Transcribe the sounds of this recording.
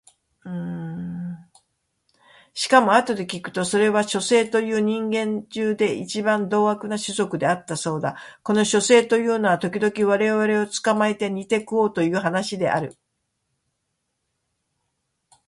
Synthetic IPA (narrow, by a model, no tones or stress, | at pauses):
ɯ̃ | ɕi̥kamo̞at̪o̞d̪e̞kʲikɯ̟̥t̪o̞so̞ɾe̞βaɕo̞se̞ːt̪o̞jɯ̟ːɲ̟ĩŋɡẽ̞ɲd͡ʑɨːd̪e̞it͡ɕibãnd̪o̞ːɡakɯ̟naɕɨzo̞kɯ̟d̪e̞at̪ːaso̞ːd̪ako̞no̞ɕo̞se̞ːt̪o̞jɯ̟ːnoβat̪o̞kʲid̪o̞kʲiβaɾe̞βaɾe̞o̞t͡sɨ̥kamaet̪e̞ɲ̟it̪e̞kɯo̞ːt̪o̞jɯ̟ːɦanaɕid̪e̞̰ʔa̰ɾɯ̟